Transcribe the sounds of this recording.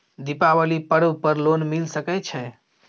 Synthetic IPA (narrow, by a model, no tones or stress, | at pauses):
d̪ipabəlipəɽəwpəɾlonmilsəkɛt͡ʃʰɛ